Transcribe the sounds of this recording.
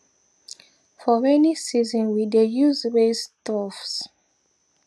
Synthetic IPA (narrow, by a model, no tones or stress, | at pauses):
fɔɛnisizɔ̃nwidejuzɹestɔfs